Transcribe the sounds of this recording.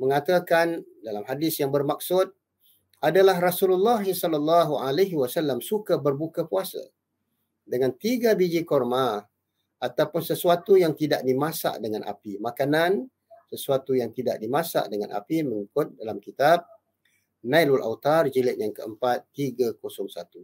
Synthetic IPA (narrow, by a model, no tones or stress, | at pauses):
məŋat̪akandalamhadɪsjaŋbərmak̚sʊt̪̚ | adalaɦrasululːaɦisɔlɔlːɑɦualaɦiwasalːamsukabərbukapuasa̰ | dəŋant̪iɡabid͡ʒikɔrma | at̪awpʊnsəsuat̪ujaŋt̪idaʔdimasa̰ʔdəŋanʔa̰pimakanan | səsuat̪ujaŋt̪ida̰ʔdimãsa̰ʔdəŋanʔa̰piməŋikʊt̪̚dalamkit̪ab̚ | nailulʔa̰wt̪ard͡ʒilɪt̪̚jaŋkəəmpat̪ːiɡakosɔŋsat̪u